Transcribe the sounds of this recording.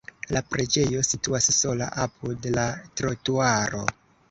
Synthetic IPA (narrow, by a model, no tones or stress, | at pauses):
lapɾe̞d͡ʒe̞jo̞situasso̞la̰ʔapʰudlatɾotuaɾo̞̰